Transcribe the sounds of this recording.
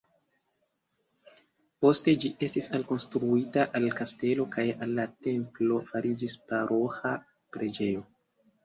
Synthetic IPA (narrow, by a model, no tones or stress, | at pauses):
po̞ste̞d͡ʒiʔe̞stisalko̞nstɾuitaʔalkaste̞lo̞kajalːate̞mplo̞faɾid͡ʒispaɾʔo̞xa | pɾe̞d͡ʒe̞jo̞